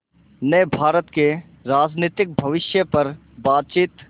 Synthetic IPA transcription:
nəjbʱaːɾət̪ke | ɾaːd͡ʒniːt̪ɪk̚bʱɐʋɪʃjəpɐɾ | baːt̪̚t͡ʃiːt̪

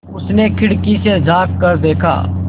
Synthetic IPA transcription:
ʊsnekʰɪɽkised͡ʒaːkːəɾd̪eːkʰa̰ː

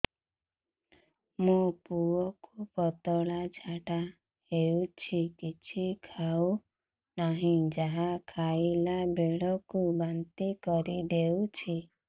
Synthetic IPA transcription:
mũpuɔkupɔt̪ɔɭad͡ʒʱaʈa | heut͡ʃʰikit͡ʃʰikʰaw | naɦĩd͡ʒaɦakʰailabʱeɭɔkubant̪ikɔɾid̪ewt͡ʃʰi

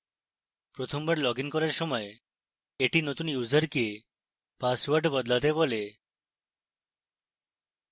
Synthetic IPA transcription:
pɾot̪ʰombaɾlɔɡinkɔɾaɾʃɔmɔe | eʈinot̪unjuzəɾke | paswaɾɖbɔd̪lat̪ebole

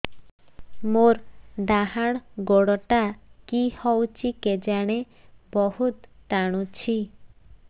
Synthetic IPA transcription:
moɾd̪aɦaɽ̃ɡoɽɔʈakihɔwt͡ʃʰiked͡ʒaɽ̃e | bɔhut̪ːaɽ̃ut͡ʃʰi

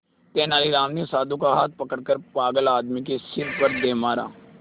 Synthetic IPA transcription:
t̪eːnaːliɾaːmnisaːd̪ũkaɦaːt̪̚pəkəɽkəɾpaːɡəlaːd̪mik̬esɪɾpəɾd̪eːmaːɾa̰ː

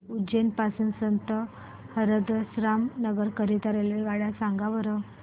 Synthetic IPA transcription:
ud͡ʑenpasuːnsənt̪ə | həɾəd̪əsɾamnəɡəɾkəɾit̪əɾeleɡaɽjasãŋɡaʋəɾə

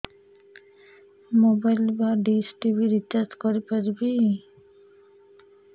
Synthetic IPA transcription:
mobajlbaɖisʈibʱiɾit̪ːatkoɾipaɾbi

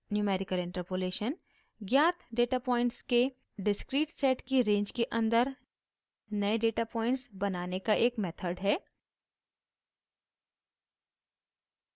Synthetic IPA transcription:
njuːmɛːɾɪkəlɪ̃ɳʈəɾpoleːʃən | ɡjaːt̪ʰɖeːʈapɔːɪ̃ɳʈske | ɖɪskɾiːʈsɛːʈkiɾẽːɲd͡ʒkeʔɐ̃nd̪əɾ | nɐeɖeːʈapɔ̃ːɪ̃ɳʈsbɐnaːnekaʔeːkmɛːt̪ʰəɾɖɦɛː

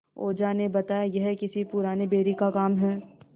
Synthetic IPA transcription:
o̰ːd͡ʒanebɐt̪aːjajɛɦkɪsipʊɾaːnebeːɾikakaːmɦɛː

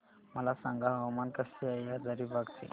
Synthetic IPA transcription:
məlasãŋɡaɦəwmankəsiajjad͡zaɾibaɡt̪ḭ

